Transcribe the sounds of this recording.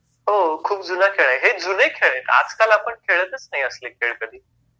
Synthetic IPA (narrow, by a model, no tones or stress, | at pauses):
ɦokʰuːp̚d͡zunakʰeɭaɦed͡zunekʰeɭet̪a̰d͡zkalapəɳkʰeɭət̪ət͡snaɦiəslekʰeɭkəd̪ʱiː